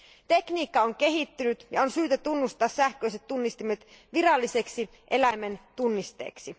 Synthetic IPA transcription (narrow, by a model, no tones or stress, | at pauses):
t̪e̞kniːkːɑoŋk̟e̞ɦit̪ːynyt̪jɑonsyːt̪æt̪unːust̪ɑːssæhk̟ø̞ˑjset̪ːunːist̪imet̪ | ʋirɑlːise̞ksi | ʔe̞læjment̪unːist̪ḛːksi